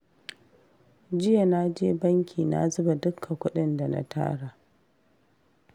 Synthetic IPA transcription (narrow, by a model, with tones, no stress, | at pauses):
d͡ʒɪ˦ja˨na˦d͡ʒeː˦bɐ˦ŋkʲʰiː˨na̰˦zʊ˦ba˨dʊ˦kʰːa˨kʷʊ˦ɗɪ˦nda˨na̰˦tʰa̰ː˦ɽa˨ʔ